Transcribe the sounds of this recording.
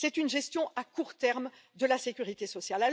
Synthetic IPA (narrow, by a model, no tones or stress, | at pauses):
sɛt̪ynʒɛst̪jɔ̃akuʁt̪ɛʁmd̪əlasekʲyʁit̪esɔsjalal